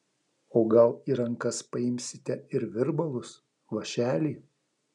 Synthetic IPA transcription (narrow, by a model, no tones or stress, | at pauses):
oːɡɐlˠiːɾɐŋkɐspɐɪmʲsʲɪt̪ʲɛɪɾʋʲɪɾbɐlˠʊs | ʋɐʃʲæːlʲiː